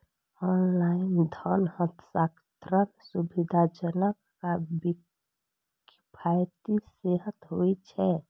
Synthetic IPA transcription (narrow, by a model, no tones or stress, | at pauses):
ɔːnlaɪnd̪ʱɔnhət̪ʰsakt̪ɾənsubid̪ʱad͡ʒənəkːabi | k | pʰajt̪iseɦət̪ɦoit͡ʃʰɛ